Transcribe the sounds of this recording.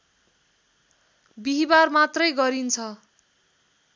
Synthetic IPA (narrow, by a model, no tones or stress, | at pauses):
biɦibarmat̪rʌjɡʌɾint͡sʰʌ